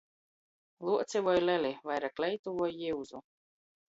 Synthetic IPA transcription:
lˠuɔt̪sʲivɔjlʲɛlʲivajɾaklʲɛjt̪uvuɔjːiwzu

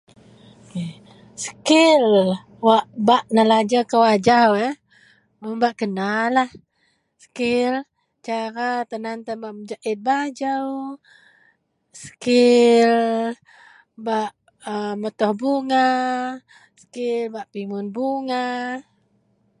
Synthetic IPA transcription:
ke | sə̥kɪl | waʔbaʔnəlad͡ʒakəwad͡ʒawɛ | əbaʔkənalah | sə̥kɪl | t͡ʃaɾat̪ənant̪anbaʔməd͡ʒaʔɪt̪̚bad͡ʒəw | sə̥kɪl | baʔ | əmət̪ɔhbuŋa | sə̥kɪlbaʔpimʊnbuŋa

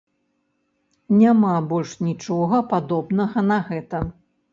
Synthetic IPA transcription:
nʲamabɔlʲʂnʲit͡ʂɔɣɐpad̪ɔbnɐɣɐnɐɣɛt̪ɐ

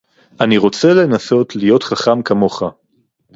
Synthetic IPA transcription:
aniʁo̞t͡se̞le̞naso̞tlijo̞tχaχamkamo̞χa

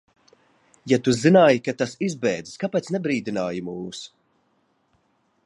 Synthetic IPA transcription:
jat̪uzinaːjikat̪asizbɛjd̪zi̥skapɛːt̪snɛbɾiːd̪inaːjimuːs

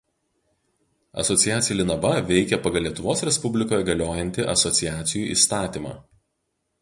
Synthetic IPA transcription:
ɐ̰sɔt̪sʲɪjæːt̪sʲɪjɛlʲɪnɐʋɐʋʲɛɪkʲɛpɐɡɐlˠʲiɛt̪ʊʋoːsɾʲɛspʊbʲlʲɪkoːjɛɡɐlʲoːjɛnʲt̪ʲɪʔɐ̰sɔt̪sʲɪjæːt̪sʲɪjuːˑʔḭːst̪ɑːt̪ʲiːmɑ̰ː

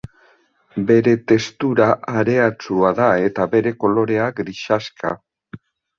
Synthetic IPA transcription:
be̞ɾe̞t̪e̞st̪uɾaʔaɾe̞at͡suaðae̞t̪aβe̞ɾe̞ko̞lo̞ɾe̞aɡɾiʃaska̰

